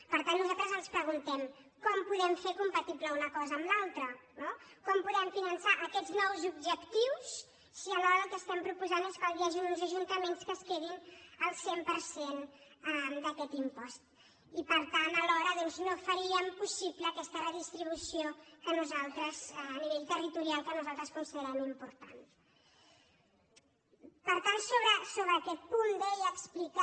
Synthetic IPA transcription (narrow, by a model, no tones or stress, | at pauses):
pəɾt̪anːuzalˠt̪ɾəzənspɾəɣ̞unt̪ɛmkɔmpuðɛmfeɾkumpət̪ipləunəkɔzəːmlalˠt̪ɾənokɔmpuðɛmfinənsaʔəkɛznɔwzub̚ʒəkt̪iwsː | iəlɔɾəlˠkəst̪ɛmpɾupuzaneskwalˠd̪iaʒinunzəʒunt̪əmenskəskeðinəlˠsempəɾsenəd̪əkɛt̪impɔst̪̚ | ipəɾt̪anəlɔɾəðɔnznofəɾiəmpusipləːkɛst̪ərəðist̪ɾiβ̞usiokənuzalˠt̪ɾəzəniβ̞eʎt̪ərit̪uɾialˠkənuzalˠt̪ɾəskunsiðeɾɛmuimpuɾt̪a̰n | pəɾt̪ansoβɾəsoβɾəːkɛt̪̚pund̪əʎəksplika